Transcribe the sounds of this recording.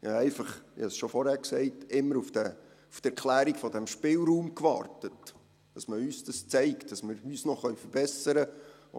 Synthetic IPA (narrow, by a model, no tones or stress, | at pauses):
jɑɛɪfɑχʋḭɑsʃɔfɔɾhæːɾksɛɪtɪmːəɾufd̥ɛ | ufd̥ɛɾkʰlæːɾikfɔdɛmʃpɪːlɾuːmkʋɑ̰ːrtət | d̥ɑsməyːsd̥ɑst͡sɛɪktd̥ɑsməɾyːsnɔχœɥfəɾb̥ɛsəɾə̰